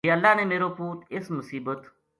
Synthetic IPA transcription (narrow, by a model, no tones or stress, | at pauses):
iːəlːaːnẽːmeːɾoːpuːt̪ɪsmʊsiːbət̪